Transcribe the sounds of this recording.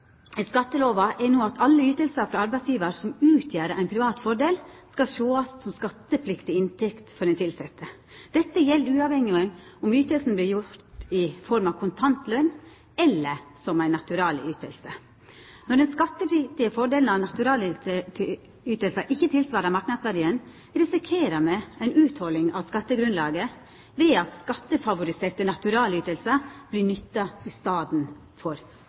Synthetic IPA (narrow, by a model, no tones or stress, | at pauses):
ɛskɑt̪ːəloːʋɑʔɛnoːɑt̪ʰɑlːəyːt̪əlsəɾfɾɑɑɾbæɪsjiːʋəɾsɔmʉːt̪ʰjæːɾəʔæɪnpʰɾɪʋɑːt̪fɔɖeːlskɑʃoːɑssɔmskɑt̪ːəpʰlɪkt̪ɪɪnt̪ʰɛkt̪fɔɖɛnt̪ʰɪlsɛt̪ʰːə | d̪̥ɛt̪ːəjɛlːɾʉːɑʋhɛŋːɪɛnʊmyːt̪əlsn̩blɪjʊt̪ɪfɔɾmɑʋkʰʊnt̪ʰɑnt̪lœnː | ɛlːəsɔmæɪnːɑt̪ʉɾɑːlyːt̪əlsə | nɔɖɛnskɑt̪ːəpʰɾɪt̪ɪəfɔɖeːln̩ɑʋnɑt̪ʉɾɑːlʰ | yːt̪əlsəʔɪçːət̪ʰɪlsʋɑːɾəmɑɾknɑd̪sʋæɖiːən | ɾɛsɪkʰeːɾəmɛæɪnʉːt̪hɔlːɪŋɑ̰ʋskɑt̪ːəɡɾʉnlɑːɡə | ʋeːɑt̪skɑt̪ːəfɑʋʊɾɪseːɾt̪ənɑt̪ʉɾɑːlyːt̪əlsəb̥lɪnʏt̪ːɑɪst̪ɑːd̪n | fɔɾ